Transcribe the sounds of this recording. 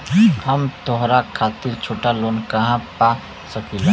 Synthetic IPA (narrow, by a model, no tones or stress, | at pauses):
həmt̪oɦɾakʰaːt̪iɾt͡ʃʰoːʈaloːnkəɦãpa | səkil